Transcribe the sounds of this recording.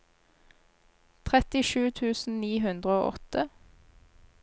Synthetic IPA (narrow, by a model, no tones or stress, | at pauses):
t̪ʰʁɛt̪ɪʃʉːt̪ʰʉːsn̩niːɦʉnd̪ʁəoːʔɔ̰t̪ə